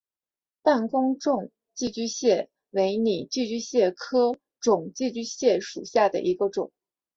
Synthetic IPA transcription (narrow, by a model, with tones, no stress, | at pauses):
t̪a˥˩nkʊ˥ŋʈ͡ʂʊ˥˩˧ŋ | t͡ɕi˥˧t͡ɕy˥˧ɕjɛ˥˩ | we˧˥ɪni˨˩t͡ɕi˥˧t͡ɕy˥˧ɕjɛ˥˩kʰɤ˥ | ʈ͡ʂʊ˨˩ŋt͡ɕi˥˧t͡ɕy˥˧ɕjɛ˥˩ʂṵ˨˩ɕja˥˩d̪ə̰˩ʔi˧˥ɡə˧ʈ͡ʂʊ˨˩˦ŋ